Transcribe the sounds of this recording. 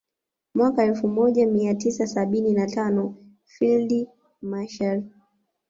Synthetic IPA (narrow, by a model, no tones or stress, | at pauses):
mwakaɛlfumɔʄamiatisasaɓininatanɔ | fildi | maʃal